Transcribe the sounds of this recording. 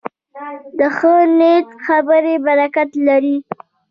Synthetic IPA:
d̪əxənet̪xabəɾebaɾakat̪laɾi

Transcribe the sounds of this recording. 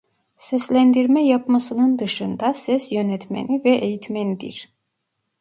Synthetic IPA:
sɛslʲænd̪iɾmɛjapmasɯnɯnd̪ɯʃɯnd̪asɛsjø̞nɛt̪ʰmḛnivɛʔejit̪ʰmenid̪ḭɾ̥

